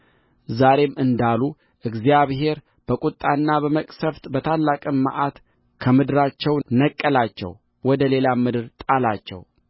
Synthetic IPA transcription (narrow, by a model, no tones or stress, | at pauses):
zaɾe̞mɨnd̪alu | ʔɨɡzijaβɦe̞ɾ | b̥əkʼut̪ʼːanːabəməkʼsəft̪ʼbət̪ʰalːakʼɨmːa̰ʔat̪ | kʰəmɨd̪ɨɾat͡ʃːɛwnəkʼːəlat͡ʃːɛ̰w | wɔd̪əle̞lamɨd̪ɨɾt̪ʼalat͡ʃːɛ̰w